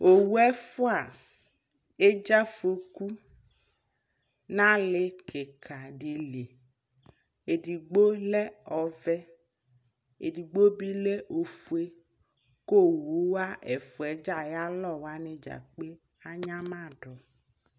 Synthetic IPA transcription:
o˨wu˦ɛ˦fʊ˦a˨ | e˦d͡ʒa˦fo˨ku˦ | nã˦lɪ˦kɪ˨kʰa˨ɖi˨li˨ | e˨di˨ɡ͡bo˦lɛ˦ɔ˨vɛ˦ | ḛ˨di˨ɡ͡bo˦bi˦le˦ʔo˨fu˨e˦ | ko˦˨wu˨˦wa˦ʔɛ˨fu˨ɛ˨d͡ʒa˨ja˦lɔ˦˨wa˦nɪ̃˦d͡ʒa̰˨k͡pe˦ | a˦ɲã˦mã˦˨ɖɔ˨

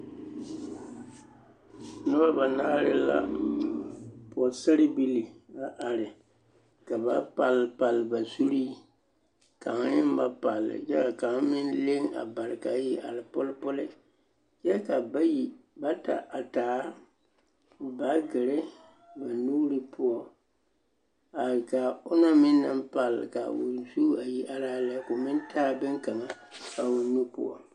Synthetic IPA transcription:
nʊ˦ba˦ba˨na˦ɾɪ̰˦la̰˦ | pɔ˨sa˦ɾɪ˦bi˦li˨a˦ʔa˨ɾɪ˨ | ka˨ba˦pa˨lpa˨lba˨zu˦ɾi˦ | ka˨ŋ˦nɪ˦m˦ba˦pa˨lɪ̰˨d͡ʒɛ˦ka˨ka˨m˦mɪ˦n˦le˦ŋa̰˨ba˨ɾɪ˨ka˨˦ji˦ʔa̰˨lɪ˨pʊ˦lpʊ˦lɪ˦ | d͡ʒɛ˦ka˨˦ji˦ba˦ta̰˨ʔa˨taː˨˦ | ba˨˦ɡɪ˨ɾɪ˦ | ba˨nuː˦ɾi˦pʰʊ˦ɔ˦ | a˨lɪ˨ka˨ʊ˦na˦mɪ˦nːɨ˦m˦pa˨lːɪ̰˨ka̰˨ʊ̰˨nzu˦a˨ji˦ʔa˨laː˦lɛ˨˦kʊ˨mɪ˦n˦taː˦bɪ˦ŋka˨ŋa˦ | ka˨wʊ˨nu˦pʊ̰˦ɔ̰˨

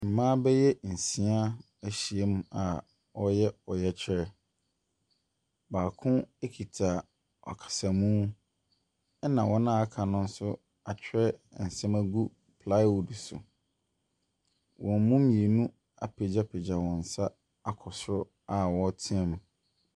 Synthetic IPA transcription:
m̩˨mã˦bɛ˦jɛ˦n̩˨sĩ˦a˦ | æ˨ɕi˨e˦mũ˨a˨ | ɔ˦jɛ˦ɔ˨jɛ˦t͡ɕʰɪ˦ɾɛ˨ | baː˨kʰʊ̃˦e˦kʰi˨tʰa˨ | ɔ̰˨kʰḁ˨sa˨mũ˦ | nã˨wɔ˦nã˦a˦kʰa˨nʊ̃˦n̩˦sʊ˦ | a˨t͡ɕᶣʰɾɛ˦˨n̩˨sɛ̃˦mæ˦ɡu˦ | pʰla˦ɪ˦o˨dsʊ̰˨ | wɔ̃˨m˦mũ˦mĩ˨e˨nũ˦ | a̰˨pʰe˨d͡ʑa˦pʰe˨d͡ʑa˨wɔ̃˨n̩˨sa˦ | a˦kʰɔ˨sʊ˦ɾʊ˦ | a˨wɔ̃˦tʰĩ˦ɛ˨mũ˨

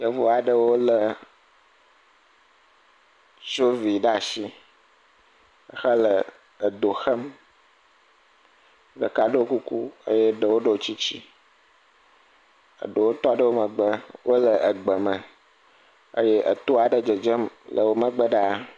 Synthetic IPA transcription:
jə˨vo˨a˨ɖə˦wo˦lə˨ | t͡ʃo˦vi˨ɖa˨si˦ | ə˨xə˦lə˨ | ə˨d̪o˨xə˦m | ɖə̰˨ka˦ɖə˦wo˦ku˦ku˦ə̰˦je˦ɖə˨wo˦ɖə˦wo˨˦t͡ɕi˦t͡ɕi˦ | ə̰˨ɖə˨wo˦t̪ɔ˦a˨ɖə˦wo˦mə˨ɡ͡bə˦wo˦lə˨ʔə˨ɡ͡bə˨mə̃˨ | ə̰˦je˦ʔə̰˨t̪o˦a˨ɖə˨d͡ʒə˨d͡ʒə˦mlʔə˨wo˦mə˦ɡ͡bə˦ɖa˦

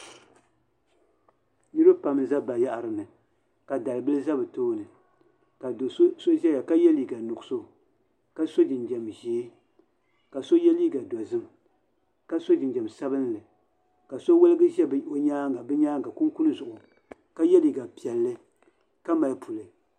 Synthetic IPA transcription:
nɨ˦ɾɨ˦pa˨m˦za˦ba˨ja˦ʔa˨ɾɨ˨nɨ˨ | ka˨da˨lɨ˨bɨ˦lɨ˦za˦bɨ˨toː˦nɨ˨ | ka˨˦so˦ʒɛ˦ja˨ka˦jɛ˦li˨˦ɡa˨nʊ˨ɡso˦ | ka˦so˦d͡ʒɪ˨nd͡ʒɛ˨mʒeː˨˦ | ka˨so˦jɛ˦li˦ɡa˨dɔ˨zɨ˦m | ka˦so˦d͡ʒɪ˨nd͡ʒɛ˨msa˦bɨ˦n˦lɨ˨ | ka˨so˦wɛ˦lɨ˦ɡɨ˦ʒɛ˦bɨ˦ʔo˦ɲaː˦ŋ˨ɡa˨bɨ˦ɲaː˦ŋɡa˨ku˦ŋku˦lɨ˦zʊ˨ʔʊ˨ | ka˦jɛ˦li˨ɡa˨pi˨ɛ˨lːɨ˦ | ka˦ma˨lpʰu˨lɨ˨

